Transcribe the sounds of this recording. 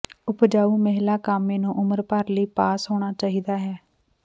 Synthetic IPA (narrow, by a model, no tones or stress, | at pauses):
ʊpd͡ʒaːuːməɦlaːkaːmẽːnũːʔʊməɾpəɾləiːpaːsɦoːɽ̃aːt͡ʃaːɦiːd̪aːɦɛː